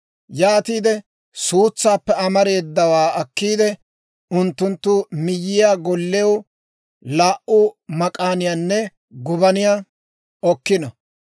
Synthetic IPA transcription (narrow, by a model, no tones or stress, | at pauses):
jaːt̪iːd̪ɛ | suːt͡sːaːpːɛɐmɐɾe̞ːd̪ːɐwaːɐkːiːd̪ɛ | ʊnt̪ːʊnt̪ːʊmɪjːɪjaːɡɔlːɛw | laːʔʊmɐkʼaːnɪjanːɛ | ɡʊbɐnɪja | ɔkːɪnɐ